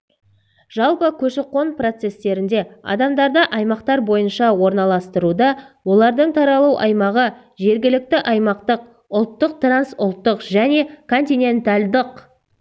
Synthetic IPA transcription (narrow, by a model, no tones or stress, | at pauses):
ʒ̥ɑlˠpəkʲʰɵʃeqːo̞npro̞t̪se̞st̪e̞ɾɪnd̪e̞ɑ̰d̪ɑmd̪ɑɾd̪əʔɑjmɑqt̪ɑɾbo̞jənʃɑwo̞ɾnɑlˠɑst̪əɾud̪ɑwo̞lˠɑɾd̪əɴt̪ʰɑɾɑlˠuwʔɑ̰jmɑʁə | ʒe̞ɾɡʲɪlɪk̚t̪ɪʔɑjmɑqt̪əq̚ | ʊlˠt̪ːəq̚t̪ransʊlˠt̪ːəqʒæne̞kʰo̞nt̪ijne̞nt̪alʲd̪əq